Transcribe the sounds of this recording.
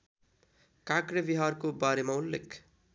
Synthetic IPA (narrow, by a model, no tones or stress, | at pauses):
kakɾebiɦarkobaɾemaulːḛkʰ